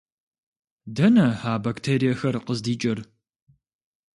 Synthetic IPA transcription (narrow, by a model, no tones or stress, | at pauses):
dɐnɐhaːbaktʰeːɾijɛxɐrqəzdiːt͡ʃʼɐr